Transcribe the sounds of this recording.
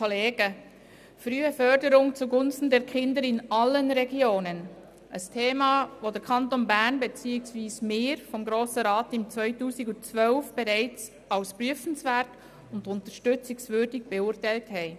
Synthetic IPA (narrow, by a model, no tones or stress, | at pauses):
oleːɡ̥ə | fɾyːəfœɾdəɾʊŋt͡suɡʊnstn̩dɛɾkʰɪndəɾɪnɑlːənɾɛɡjoːnən | ʔəstʰeːmɑːʋodəɾkʰɑntonbæɾnbet͡siːɪksʋiːsmɪːɾfɔmɡɾoːsəɾɑːtɪmt͡sʋvœʏtuːsɪɡʊnt͡svœlfb̥eɾæɪt͡s | ɑʊspɾyəfən̩svæɾt | ʊndʊntəɾʃtʏt͡sɪksvʏːɾdɪɡ̚b̥eʊɾtæɪlthɛɪ